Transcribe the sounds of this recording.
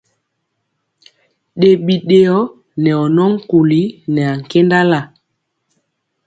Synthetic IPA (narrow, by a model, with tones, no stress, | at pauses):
ɗe˨ɓi˨ɗe˨ɔ˦ | nɛ˨ɔ˨nɔ˦ŋ̩˦ku˨li˦nɛ˨a˨ŋ̩˨ke˦nda˦la˦˨